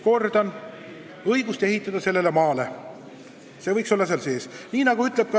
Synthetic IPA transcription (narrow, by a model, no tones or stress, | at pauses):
ko̞rd̪ɑn | ɤjɡust̪e̞ɦit̪ːˑɑd̪̥ɑse̞lːe̞lemɑːle̞ | se̞vɤjkso̞lːɑseɑlse̞ːsniːnɑɡ̥uyt̪le̞b̥̚kɑ